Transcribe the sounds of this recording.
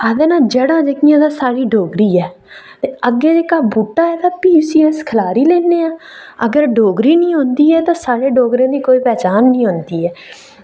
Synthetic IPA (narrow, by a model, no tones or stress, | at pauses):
ad̪ẽːnãːd͡ʒəɽãːd͡ʒekɪjãːd̪aːsaːɽiːɖʱoːɡɾiːɛː | t̪eːəɡːeːd͡ʒekaːbuːʈːaːɛːt̪aːpiːsiːɛskʰəlaːɾiːleːneːãː | ə̰ɡəɾɖoːɡɾiːnĩːɦõːnd̪iːɛːt̪ãːsaːɽeːɖoːɡɾãːd̪iːkoːiːpɛːt͡ʃaːnːĩːɦõnd̪iːɛː